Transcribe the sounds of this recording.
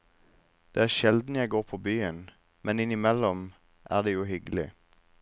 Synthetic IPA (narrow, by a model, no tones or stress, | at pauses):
d̪̥eːæːʁʃɛld̪n̩jæɪɡoːʁpʰoːbyːən | mɛnɪnɪmɛlɔm | ʔæ̰ːʁd̪eːjuːhʏɡlɪ̰